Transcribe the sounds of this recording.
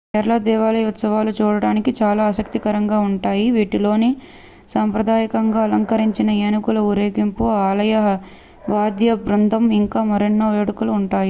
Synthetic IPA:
kɛːɾɐlɐd̪ɛːʋaːlɐjut̪sɐʋaːlut͡ʃuːɽɐɽaːnikit͡ʃaːlaːɐsɐk̚t̪ikɐɾɐŋɡaːuɳʈaːjiʋiːʈilo̞ːni | saːmpɾɐd̪aːjɐkɐŋɡaːɐlɐŋkɐɾiɲt͡ʃinɐeːnukulɐuɾeːɡimpuaːlɐjɐɦ | ʋaːd̪jɐbɾɐnd̪ʱɐmiŋkaːmɐɾinːɐʋeːɽukuluːɳʈaːji

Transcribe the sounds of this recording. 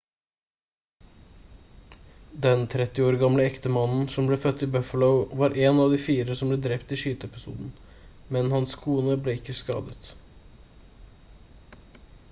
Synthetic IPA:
d̪ɛnt̪ʰɾɛt̪ɪoːɾɡɑmləɛkt̪əmɑnn̩sɔmbleːfœt̪ːɪbœfələʊʋɑːɾʔeːnɑːʋd̪iːfiːɾəsɔmbleːd̪ɾɛpt̪iːʃyːt̪əɛpɪsṵːd̪n̩ | mɛnhɑnskʰuːnəbleːɪkːəskɑ̰ːd̪ət̪

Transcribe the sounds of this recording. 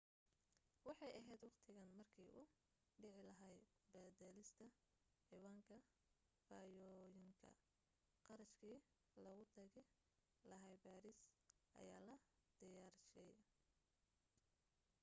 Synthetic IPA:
wɑħɑjɐɦɛːd̪wɑqt̪ʰɪɣɐnmɐrkʰiːʔʊ | ɖɪʕɪlɐɦɐjbɐd̪ɛlɪst̪ʰɐ | ħiːwaːŋkʰɐ | faːjɔːjɪŋkʰɐ̰ | qɑɾɐʃkʰiː | lɐɣʊt̪ʰɐɣɛ | lɐɦɛjbaːɾisʔɐ̰ja̰ːlɐd̪̥ɪjaːɾʃɛj

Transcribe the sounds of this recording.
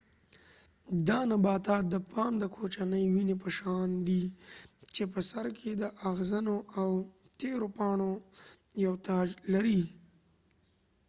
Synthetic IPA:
d̪ɑnabɑːt̪ɑːt̪̚d̪əpʰɑmd̪əkʰot͡ʃanəjwinep̬əʃɑnd̪i | t͡ʃep̬əsaɾkʰed̪əʔaɣzanoaw | t̪eɾopɑɳojawt̪ɑːd͡ʒlaɾi

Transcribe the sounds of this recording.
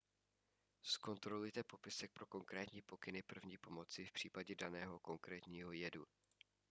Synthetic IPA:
sko̞nt̪ɾo̞lujt̪ɛpo̞pɪsɛk̚pɾo̞ko̞ŋkɾɛːt̪ɲiːpo̞kɪnɪpr̩vɲiːpo̞mo̞t͡sɪfpr̝̥iːpaɟɛdanɛːɦo̞ko̞ŋkɾɛːt̪ɲiːɦo̞jɛdṵ

